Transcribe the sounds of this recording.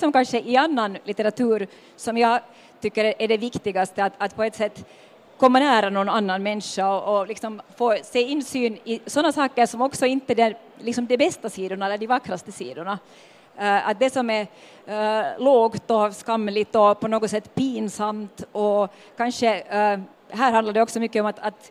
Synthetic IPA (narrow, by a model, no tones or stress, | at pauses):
sɔmkanʂəʔɪanːanlɪt̪əɾat̪ʉːɾ | sɔmja | t̪ʏkːəɾɛʔɛɖɛvɪkt̪ɪɡast̪əat̪ɑt̪pʰɔɛt̪sɛt̪ː | kʰɔmːanæːɾanɔnanːanmɛnʂaɔʔːlɪksɔmfoːsɛjɪnːsyːnɪsɔnːasɑːkəɾʂɔmɔksɔɪnt̪əd̪ɛ | lɪksɔmd̪ɛbɛst̪asiːd̪ʊɳaɛlːəɖɪvakːɾast̪əsḭːd̪ʊɳa | at̪̚d̪ɛsɔmɛɾ | loːɡt̪ɔskamːlɪt̪ɔpɔnoːɡɔt̪sɛt̪ːpiːnsamt̪ɔ | kanʂə | ɦæːɾɦand̪laɖɛɔksɔmʏkːəɔmat̪at̪